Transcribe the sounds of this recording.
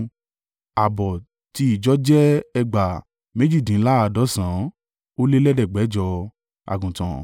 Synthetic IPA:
a˨bɔ˨ | ti˧˦i˦˨d͡ʒɔ˦d͡ʒɛ˦ɛ˧ɡ͡ba˨ | mẽ˦d͡ʒi˦˨dĩ˨˦la˦a˧dɔ˨˦sã˨˦ | o˦le˦lɛ˦dɛ˦˨ɡ͡bɛ˨˦d͡ʒɔ˧ | a̰˨ɡũ˨tã̰˨

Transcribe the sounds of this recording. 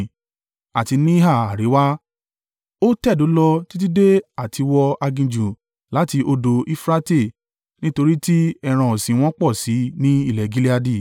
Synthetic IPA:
a˨ti˧nĩ˦ɦa˦˨a˨ɾe˨˦wa˦ | o˦tɛ˦˨do˨˦lɔ˧ti˦t̬i˦de˦a˦˨tʰi˧wɔ˧a˧ɡĩ˧d͡ʒũ˨ | la˨˦ti˧ʔo˧do˧i˦fɾa˦te˦˨ | nĩ˦to˧ɾi˦ti˦ɛ˧ɾ̃ã˧˨o˨sĩ˨˦w̃ɔ̃˦k͡pɔ˦˨si˨˦nĩ˦i˦˨lɛ˨ɡi˨˦li˦a˧di˦˨

